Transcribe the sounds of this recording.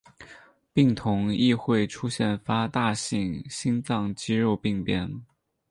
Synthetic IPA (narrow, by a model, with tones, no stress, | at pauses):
pi˥˩ŋt̪ʰʊ˧˥ŋi˥˧xwe˥˩ɪʈ͡ʂʰu˥ɕjɛ˥˩nfa˥t̪a˥˧ɕi˥˩ŋɕi˥nt͡sɑ˥˧ŋt͡ɕi˥ɻo˥˧ʊpi˥˧ŋpjɛ˥˩n